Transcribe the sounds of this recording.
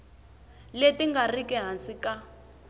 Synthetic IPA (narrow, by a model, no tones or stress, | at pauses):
letiŋɡarikɛɦansika